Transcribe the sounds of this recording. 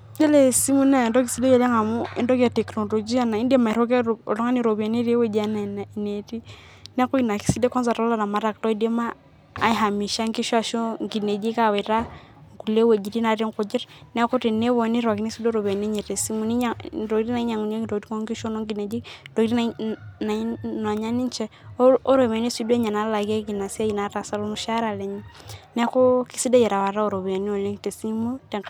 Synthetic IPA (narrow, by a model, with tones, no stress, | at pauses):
d͡ʒɛ˦lɛ˨si˦mu˦na˦˨ndɔ˦k̬i˨si˦dɛ˦jɛ˨lɛ˦ŋa˨mɔ˦ḭ˦ndɔ˦ka˨tɛ˨knɔ˨lɔ˨d͡ʒi˦a˨na˨i˦ndi˦ɛ˦ma˨i˨ɾɔ˦k̬ɛ˦ɔ̰˨lɔ˦ŋa˦ni˨ɾɔ˨βi˨a˨ne˦ɾi˦e˦wɛ˦˨d͡ʒa˦na˨n˨i˨ne˨ti˦ | nɛ˦a˦kɔ˦i˨na˨ki̥˨si˦dɛ˦kɔ˦nza˨ɾɔ˦la˦na˨ma˨˦ɾa˨k̚tɔ˦i˦dɛ˦ma̰ː˦ | i˦ɦa˨mi˨ʃa˦ŋki˦ʃa˨ʃɔ˦ŋɡi˨nɛ˨d͡ʒi˦ka˨wɛ˨ɾa˦ | ŋku˨lɛ˦wɛ˨d͡ʒi˨ti˦na˨ɾi˦ŋkɔ˨d͡ʒi˦ɾnɛ˦ko˦ti˨nːe˦βo˨ni˦ɾwa˨ki˦ni˦si˦do˦ɾo˨be˨ne˦ɲe˨te˨si˦mu˦ni˦a˨ɾo˨˦ti˦na˨i˦ɲa˨ŋu˨ɲe˦kɾo˨ɡti˦ŋo˦ŋki˦ʃo˦no˦ŋɡi˨ne˨d͡ʒi˦do˨ɾi˦na˨na˨˦n˨a˨ɲa˦ni˦nt͡ʃɛ˦o˦ɾo˨m˨e˨ni˦si˦du˦e˦ɲa˨na˦la˨ɡe˦ki˨na˨sa˦ji˨na˨˦ɾa˨sa˦lo˦mu˨ʃa˦ɾa˨lɛ˨ɲi˦nɛ˦ko˦ki˦si˦da˦jɛ˨ɾa˨wa˨ɾa˦o˨ɾo˨βe˨ni˦o˨le˦ŋte˨si˦mu˦tɛ˨ŋ